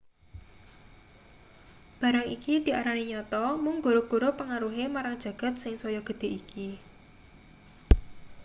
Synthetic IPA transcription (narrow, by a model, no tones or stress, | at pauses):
b̥a̤ɾaŋikid̪̥i̤ʔaɾaniɲɔt̪ɔmʊŋɡoɾoɡ̥o̤ɾopəŋaɾuɦemaɾaŋd̥ʒ̥ä̤ɡ̥ä̤t̪̚sɪŋsɔjɔɡ̥ə̤d̪̥e̤ʔiki